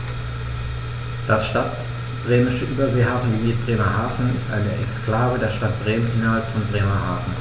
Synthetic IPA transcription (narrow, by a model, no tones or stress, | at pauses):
d̥asʃtat | b̥ʁeːmɪʃəʔyːbɐzeːɦaːfn̩viːmiːt̚b̥ʁeːmɐhaːfn̩ɪstʔa̰ɪnəʔɛkskl̥aːvədeːɐʃtat̚b̥ʁeːmənhɪnɐɦalpfɔnbʁeːmɐɦa̰ːfn̩